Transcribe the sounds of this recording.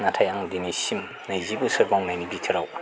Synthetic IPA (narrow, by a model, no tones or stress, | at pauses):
natʰajaŋd̪inisim | najzibusɯɾbɔŋnajnibitʰɯɾaw